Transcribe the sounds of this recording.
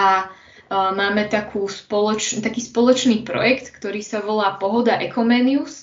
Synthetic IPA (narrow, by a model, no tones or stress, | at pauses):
ʔa | maːmɛt̪akʰuːspɔlɔt͡ʃt̪akiːspɔlɔt͡ʃniːpɾɔ̰jɛkt̪kt̪ɔɾiːsaʋɔlaːpɔɦɔd̪aʔɛkɔmɛːnius